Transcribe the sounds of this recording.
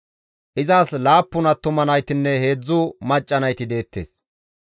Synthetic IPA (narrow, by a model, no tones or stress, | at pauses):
ʔɪzaːslaːpːʊnɐt̪ːʊmɐnɐjt̪ɪnːɛhe̞ːd͡zːʊmɐt͡ʃʼːɐnɐjt̪ɪd̪e̞ːt̪ːe̞̰ːs